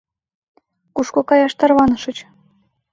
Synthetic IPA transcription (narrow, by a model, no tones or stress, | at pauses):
kuʃkokɑjɑʃt̪ɑrβɑnɤ̆ʃɤ̆t͡ɕ